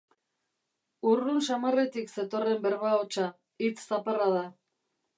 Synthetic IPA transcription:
urunsamare̞t̪ikse̞t̪o̞re̞mbeɾβaot͡ʃa | it͡sːaparaða

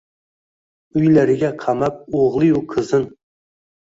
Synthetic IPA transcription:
yjlæɾɪɡʲɛqʰɑmɑp̚oʁlˠɨjuqʰɨzɨn

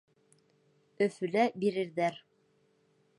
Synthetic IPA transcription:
ɵ̆fɵ̆læbiɾɘ̆ɾðæɾ

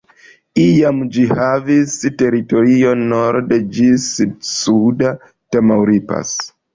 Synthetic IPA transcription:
ijamd͡ʒihavisteɾitoɾionoɾdd͡ʒisdsuda | tamawɾipa̰s

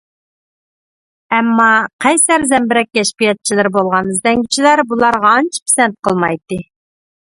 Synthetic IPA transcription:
ɛmːɑqʰæjsæɾzɛmbɪɾɛk̚ʲkʲːɛʃpijɛt̪̚t͡ʃʰilɪɾbolˠʁɑnɨzd̪ɛŋɡʲit͡ʃʰilæɾbulˠɑɾʁɑːnt͡ʃʰi̥pʰsɛnt̪̚qʰəlˠmɑjt̪ɨ

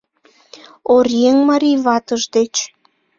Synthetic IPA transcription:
orjeŋmɑɾiβɑt̪əʒd̪et͡ɕ

